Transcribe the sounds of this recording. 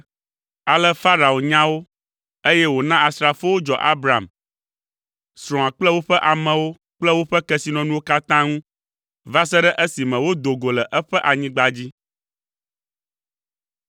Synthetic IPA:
a˨lɛ˦fa˦ɾa˨o˨ɲã˦wo˦ | e˦jɛ˦wo˨nã˦a˨sɾa˨fo˦wo˦d͡ʒɔ̰˨ʔa˦bɾa˨m | sɾɔ̃˨ã˨k͡plɛ˦wo˦ɸɛ˦ʔa˨mɛ̃˨wo˦ | k͡plɛ˦wo˦ɸɛ˦kɛ˦si˦nɔ̃˨nũ˦wo˦ka˦t̪ã˦ŋũ˦ | va˦s̬ɛ˦ɖɛ˦ʔə˦si˨mɛ̃˨wo˦d̪o˨ɡo˨lɛ˨ʔɛ˦ɸɛ˦ʔa˨ɲĩ˦ɡ͡ba˨d͡ʑi˦

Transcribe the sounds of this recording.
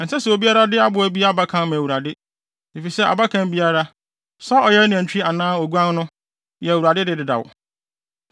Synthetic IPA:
n̩˨sɛ˦sɛ˨o˨bi˦a˦ɾa˦dɪ˦a˦bʊ˨æ˨bi˦a˦ba˦kʰã˦n˦mã˨wu˨ɾa˨dɪ˦ | ni˨fi˨sɛ˦a̰˨ba˦kʰã˦m˦bi˦a˦ɾa˦ | sɔ˦ɔ˨jɛ˦nã˨t͡ɕᶣi˦i˦a˨nãː˦o˨ɡu˦ã˦n˦nʊ̃˦ | jɛ˨wu˨ɾa˨dɪ˦dɪ˦˨dɪ˨da̰˨w̰

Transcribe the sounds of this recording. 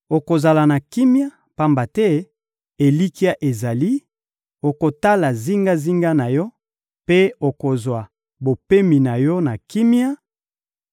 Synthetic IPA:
o˨ko˨za˨la˨na˨ki˦mja˦ | pa˦mba˨tɛ˦ | e˨li˦ki˦a˦ʔe˨za˨li˦ | o˨ko˨ta˦la˨zi˦ŋɡa˦zi˦ŋɡa˦na˨jɔ˦ | pe˦o˨ko˨zwa˨ | bo˨pe˦mi˨na˨jɔ˦na˨ki˦mja˦

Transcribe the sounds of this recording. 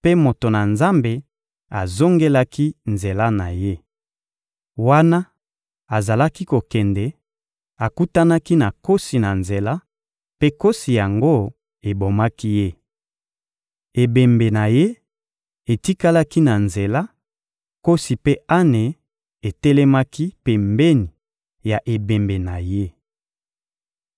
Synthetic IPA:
pe˦mo˨to˨na˨nza˦mbe˨ | a˨zo˦ŋɡe˦la˦kʰi˦nze˨la˦na˨je˦ | wa˦na˦ | a˨za˨la˦ki˦ko˨kɛ˨ndɛ˨ | a˨ku˦ta˦na˦ki˦na˨ko˦si˨na˨nze˨la˦ | pe˦ko˦si˨ja˨ŋɡo˦ | e˨bo˨ma˦ki˦je˦ | e˨be˨mbe˨na˨je˦ | e˨ti˦ka˦la˦ki˦na˨nze˨la˦ | ko˦si˨pe˦a˦ne˨ | e˨tɛ˦lɛ˦ma˦ki˦pe˨mbe˦ni˨ | ja˨ʔe˨be˨mbe˨na˨je˦

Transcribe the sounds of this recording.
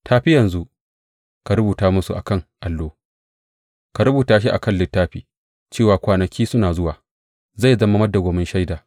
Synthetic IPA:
tʰaː˦ɸɪ˦jɐ˨nzu˦ʔ | ka˨ɾʊ˦buː˨taː˦mʊ˦su˨ʔa̰˨kɐ˦ŋʔa˨lːoː˦ | ka˨ɾʊ˦buː˨taː˦ʃ̬i˦ʔa̰˨kɐ˦nlːɪ˦tːaː˦ɸiː˨ | t͡ʃeː˦˨waː˨kʷaː˨nɐ˨kʲiː˦sʊ˦naː˨zʊ˦waː˨ | za˦˨zɐ˦ma˦mɐ˦da˨ɡʷoː˨mɪ˦nʃa˦jdaː˨

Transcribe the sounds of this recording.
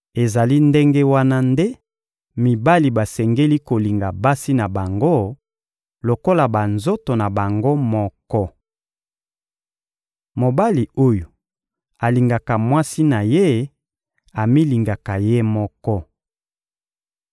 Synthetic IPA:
e˨za˨li˦nde˦ŋɡe˦wa˦na˦nde˦ | mi˨ba˦li˨ba˨sɛ˨ŋɡe˦li˦ko˨li˨ŋɡa˨ba˦si˦na˨ba˨ŋɡo˦ | lo˨ko˦la˨ba˨nzo˦to˨na˨ba˨ŋɡo˦mɔ˦kɔ˦ | mo˨ba˦li˨o˦jo˨ | a˨li˨ŋɡa˨ka˨mwa˦si˦na˨je˦ | a˨mi˦li˨ŋɡa˨ka˨je˦mɔ˦kɔ˦

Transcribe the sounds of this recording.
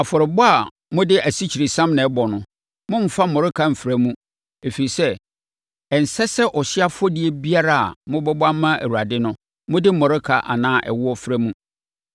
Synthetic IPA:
a˨fɔ˨ɾɪ˨bɔ˦a˨ | mʊ̃˦dɪ˦æ˨si˦t͡ɕʰi˨ɾe˨sã˦mnɪ̃˨˦bɔ˨nʊ̃˨ | mʊ̃˦m̩˦fa˦mɔ˨ɾɪ˦kʰa˨m̩˨fɾæ˦mũ˦ | e˨fi˨i˨sɛ˦ | ɛ˨n̩˨sɛ˦sɛ˦ʔɔ˨ɕɪ˦a˦fɔ˦di˦e˦bi˦a˦ɾa˦˨a̰˨mʊ̃˦bɔ˦ba˦mã˦æ̰˨wu˨ɾa˨dɪ˦nʊ̃˦ | mʊ̃˦dɪ˦mɔ˨ɾɪ˦kʰa̰˨ʔa̰˨nãː˦ʔɛ̰˨wʊ˦ɔ˦fɾæ˦mũ˦

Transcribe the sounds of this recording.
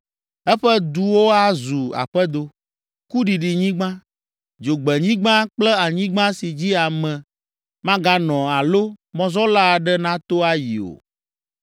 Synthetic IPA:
ɛ˦ɸɛ˦d̪u˨wo˦a˦zu˨a̰˨ɸɛ˦d̪o˨ | ku˦ɖi˨ɖi˨ɲĩ˦ɡ͡bã˦ | d͡ʒo˨ɡ͡bɛ˨ɲĩ˦ɡ͡bã˦k͡plɛ˦a˨ɲĩ˦ɡ͡bã˦si˨d͡ʑi˦a˨mɛ̃˨ | mã˦ɡa˦nɔ̃˨a˨lo˦mɔ̃˦zɔ˦la˦˨ɖɛ˦nã˦t̪o˦a˦jḭ˨o̰˨

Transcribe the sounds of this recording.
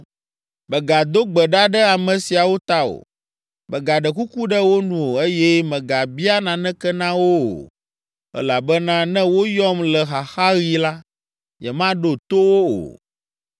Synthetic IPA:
bɛ˨ɡa˨d̪o˦ɡ͡bɛ˨ɖa˦ɖɛ˦a˨mɛ̃˨si˨a˨wo˦t̪a˦o̰˨ | mɛ˨ɡa˨ɖɛ˨ku˦ku˦ɖɛ˦wo˦nũ˨o˨e˦jɛ˦mɛ̃˨ɡa˨bi˦a˦nã˨nɛ̃˦kɛ˦nã˦wo˦o̰˨ | ɛ̰˦la˨bɛ˦nã˦nɛ̃˦wo˦jɔ˦mlɛ˨xa˨xa˦ɣi˦la˦ | jɛ˨mã˦ɖo˨t̪o˦wo˦o̰˨

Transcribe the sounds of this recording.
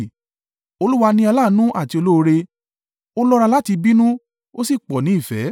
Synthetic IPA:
o˧lu˦wa˧nĩ˧˦a˧la˦˨˦nũ˦ʔa˦˨ti˧o˧lo˦o˧ɾe˧ | o˦lɔ˦˧ɾa˧la˦ti˧bi˦nũ˦ | o˦si˦˨k͡pɔ˨nĩ˨˦i˦˨fɛ̰˨˦

